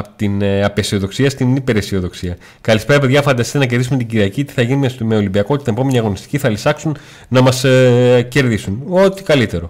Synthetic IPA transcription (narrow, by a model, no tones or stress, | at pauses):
ɐpot̪inɐpesio̞ðo̞ksiɐst̪inipe̞ɾesio̞ðo̞ksiɐ | kɐlispeɾɐpe̞ðʝɐfɐnd̪ɐsit̪enɐceɾðisumt̪iɟiɾiɐcit̪i̥θɐʝinimemeolimbiɐko̞t̪it̪ɐepo̞me̞niɐɣo̞nist̪i̥ciθɐlisɐksun | nɐmɐsce̞ɾðisuno̞t̪i̥kɐlit̪e̞ɾo̞